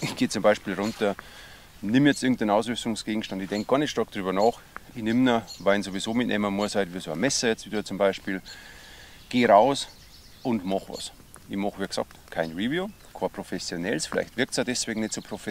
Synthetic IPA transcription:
ʔɪçɡ̥eːt͡sʊmbaɪʃpiːlʁʊntɐ | nɪmjɛt͡stʔɪɐɡŋ̩tdanaʊsʁʏstʊŋsɡ̥eːɡŋ̩ʃtɑndɪçd̥ɛŋk̚ɡ̥ɑɐnɛtʃtɑɐk̚d̥ʁyːbɐnɑːx | ɪçnɪmnəvaɪnzovizoːmɪtnʔɛ̰ːmɐmuɐsaɪtviːɐsoɐmɛsəjɛt͡stviːdɐt͡sʊmbaɪʃpiːl | ɡ̥eːʁaʊs | ʔʊndmɑχvɑ̰s | ʔɪçmɑχʋiːɡsɑ̰k̚tkʰaɪnʁiːvju | kʰɑːɐpʰʁ̥ofɛsjonɛlsfɪla̰ɪçtv̥ɪɐk̚tsaːdɛsv̥eːɡŋ̩nɛtsoːpʰʁ̥ofɛ

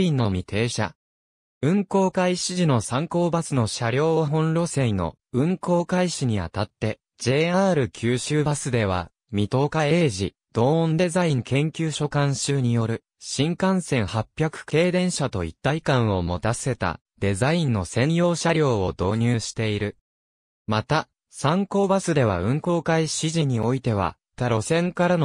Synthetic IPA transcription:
ĩnːo̞mʲit̪ʰe̞ːɕa̰ | ɯ̟̃ŋko̞ːkaiɕiʑino̞sãŋko̞ːbasɨno̞ɕaɾʲo̞ːɦõ̞nɾo̞se̞ino̞̰ | ɯ̟̃ŋko̞ːkaiɕiɲ̟ia̰t̪at̪ːe̞ | d͡ʑe̞ːaːɾɯ̟kʲʰɨːɕɨːbasɨd̪e̞β̞a̰ | mʲit̪o̞ːkae̞ːʑi | d̪̥o̞ːõnd̪e̞zaĩŋkẽ̞ŋkʲɨːɕo̞kãɰ̃ɕɨːɲ̟ijo̞ɾɯ̟ | ɕĩŋkãɰ̃sẽ̞ɰ̃hapʲːjakɯ̟̥ke̞ːd̪ẽ̞ɰ̃ɕat̪o̞̰ḭt̪ːaikãɰ̃o̞mo̞t̪ase̞t̪a̰ | d̪̥e̞zaĩnːo̞sẽ̞ɰ̃jo̞ːɕaɾʲo̞ːo̞d̪o̞ːɲ̟ɨːɕi̥t̪e̞iɾɯ̟ | mat̪a | sãŋko̞ːbasɨd̪e̞β̞a̰ɯ̟̃ŋko̞ːkaiɕiʑiɲ̟io̞it̪e̞β̞a̰ | t̪aɾo̞sẽ̞ŋkaɾano

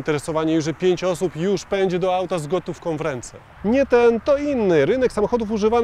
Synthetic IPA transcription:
nt̪ɛɾɛsɔvaɲɛjuʐɛpʲjeɲt͡ɕɔsupjuʂpɛɲd͡ʑɛd̪ɔawt̪azɡɔt̪ufkɔ̃w̃vɾɛnt̪sɛ̰ | ɲɛt̪ɛnt̪ɔinːɘɾɘnɛksamɔxɔd̪ufuʐɘvan

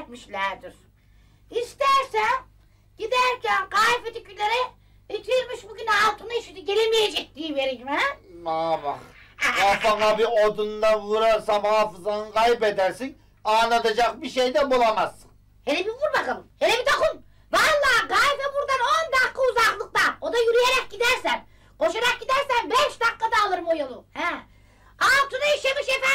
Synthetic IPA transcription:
t̪miʃlʲæɾd̪iɾ̥ | ist̪æɾsɛ | ɟ̥id̪æɾcʰænɡajfet̪icʰylʲeɾɛ | it̪ʰiɾmiʃbuɟynɛalˠt̪ʰɯnɯiʃit̪iɟelʲemijed͡ʒɛc̚d̪iːve̞ɾimæabaχafaŋabiod̪und̪anvuɾaɾsamhaːfɯzanɯnkʰajbed̪æɾsin | anat̪ad͡ʒak̚biʃejd̪ɛbulˠamazɯn | helʲebivuɾbakamɯmhelʲebit̪ʰokun | valˠːɑːɡajbɛbuɾd̪anond̪aqːauzaqlˠɯk̚t̪ao̞d̪ajyɾyjeɾɛc̚ɟid̪æɾsæn | qo̞ʃaɾak̚ɟid̪æɾsænbɛʃd̪aqːad̪aːlˠɯɾɯmojolˠuhæ | alˠt̪ʰɯnajaʃamɯʃefæ

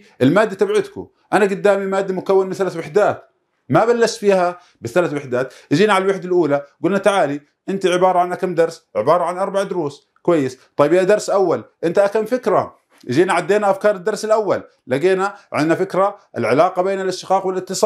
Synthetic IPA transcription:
ʔɪlmaːd̪ːat̪abʕɪd̪kʊ̰ | ʔanaɡʊd̪ːaːmimaːd̪ːamʊkawːɪnmɪθalaθwaħd̪aːt̪ | mabalːaʃt̪fiːa | bɪθalaθwaħd̪aːt̪ʔd͡ʒiːniʕalalwaħd̪alʔuːlaɡʊlnat̪aʕaːli | ʔɪnt̪iʕɪbɑːɾˤɑʕanʔakamd̪ɑɾˤsʕɪ̰bɑːɾˤɑʕanʔɑɾˤbaʕd̪ʊɾuːs | kʊwajːɪst̪ˤɑjːbjad̪ɑɾˤsʔawːalʔɪnt̪iʔakamfɪkɾa̰ | ʔd͡ʒiːnaʕad̪ːeːnaʔafkɑːɾˤɪd̪ːɑɾˤsɪlʔawːa̰lːaɡeːnaʕɪd̪nafɪkɾaɪ̰lʕɪlɑːqɑbeːnɪlʔɪʃt̪ɪ̥qɑːqwɪlɪt̪ːɨsˤɑː

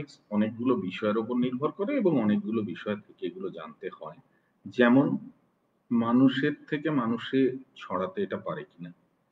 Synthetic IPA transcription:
ksɔnek̚ɡulobiʃɔeɾopoɾniɾbʱoɾkoɾeeboŋɔnek̚ɡulobiʃɔet̪ʰekeeɡulod͡ʑa̰nt̪ehɔe | d͡ʑɛmon | manuʃeɾt̪ʰekemanuʃet͡ɕʰɔɽat̪eeʈapaɾekina

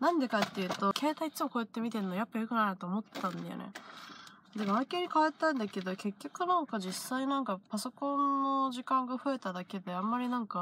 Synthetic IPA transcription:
nãnd̪e̞kat̪ːe̞jɯ̟ːt̪o̞kʰe̞ːt̪ait͡sɨmoko̞ːet̪ːe̞mʲit̪e̞nojapːajokɯ̟naɾnat̪oːmo̞t̪ːãnd̪a̰jo̰nḛ | d̪eɡaakeɲ̟ikaβat̪ːãnd̪ake̞d̪o̞ke̞kʲːo̞kɯ̟nãŋkaʑisːainãŋkapaso̞kõ̞nːo̞ʑikãŋɡaɸɯ̟e̞t̪ad̪ake̞d̪e̞ãmːaɾʲinãŋka

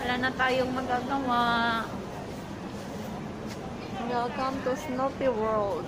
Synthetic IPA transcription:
wɐlanɐt̪aːjoŋmɐɡaːɡɐwaʔ | wɛlkamt̪usnopiwɛld̪

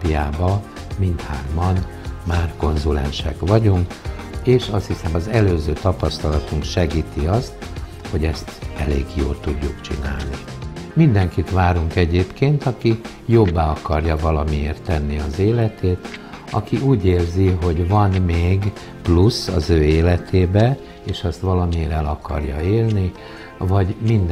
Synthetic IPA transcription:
pijaːbɒ | mint̪haːrmɒn | maːrko̞nzulɛ̰nʃɛ̰kʋɒɟuŋk | eːʃɒst̪hisɛmɒzɛløːzøːt̪ɒpɒst̪ɒlɒt̪uŋkʃɛɡiːt̪iɒst̪ | ho̞ɟɛst̪ɛlḛːɡjo̰ːlt̪uɟːukt͡ʃḭna̰ːlni | mind̪ɛŋkit̪ʋaːɾuŋkɛɟeːpkeːnt̪ɒki | jo̞bːaːɒkɒrjɒvɒlɒmieːrt̪ːɛnːiɒzeːlɛt̪eːt̪ | ɒkiʔuːɟeːrziɦo̞ɟvɒnmeːɡ | plusɒzøːeːlɛt̪ʰeːbɛ | eːʃɛst̪ʋɒlɒmieːɾɛlɒkɒ̰rjɒ̰eːlni | vɒɟmind̪

